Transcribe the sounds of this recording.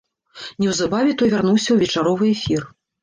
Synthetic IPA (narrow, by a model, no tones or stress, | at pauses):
nʲɛwzabavʲɛt̪ɔjvʲarnuwsʲɐwvʲɛt͡ʂaɾɔvɨjɛfʲir